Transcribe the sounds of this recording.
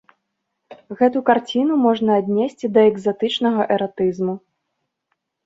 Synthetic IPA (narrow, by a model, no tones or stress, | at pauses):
ɣɛt̪ukart͡sʲinumɔʐnɐːd̪ʲnʲesʲt͡sʲid̪ɐɛɡzat̪ɨt͡ʂnɐɣɐʔɛɾat̪ɨzmu